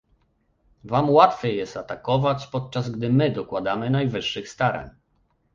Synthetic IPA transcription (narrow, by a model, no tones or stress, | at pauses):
vamwat̪fʲjɛjɛst̪at̪akɔvat͡ɕpɔt̪̚t͡ʂazɡd̪ɘmɘd̪ɔkwad̪amɘnajvɘʂːɘxst̪aɾa̰ɲ